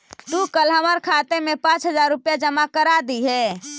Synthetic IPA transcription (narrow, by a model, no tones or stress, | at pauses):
t̪ukəlɦəməɾkʰat̪emẽpãt͡ʃɦəd͡ʒaɾːupjad͡ʒəmakəɾad̪iɦɛː